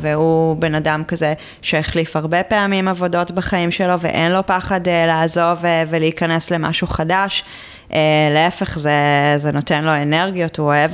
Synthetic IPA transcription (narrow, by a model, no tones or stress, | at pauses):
veube̞nadamkaze | ʃeeχlifhaʁbepeamimavo̞do̞tbaχaimʃe̞lo̞vḛʔenlo̞paχadlaːzo̞vveleikɐne̞sle̞ma̰ʃuχadaʃ | ʔeleefeχzezeno̞tenlo̞eneʁɡijotuoev